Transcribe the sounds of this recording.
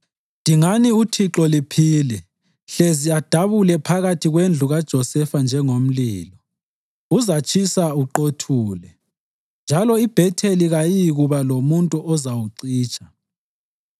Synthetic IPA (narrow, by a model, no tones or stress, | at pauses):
ndʱiŋaniutʰiǁɔlipʰiːlɛ | ɬeziad̥ʱaβulɛpʰaɣatʰiɣwend͡ɮʱuɣad̥ʒ̥ʱɔsɛfand͡ʒʱɛŋom̩liːlɔ | uzat͡ʃʰʼisauǃotʰuːlɛ | nd͡ʒʱalɔib̥ʱɛtʰeliɣajiɣuβalomuntʼuɔzawuǀiːt͡ʃʰʼḁ